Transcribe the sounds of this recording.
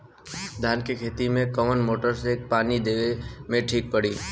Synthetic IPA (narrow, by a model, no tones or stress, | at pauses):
d̪ʱaːnkekʰeːt̪imẽkɔmənmoːʈəɾseːk̚paːnid̪eːemẽʈʰiːk̚pəɽiː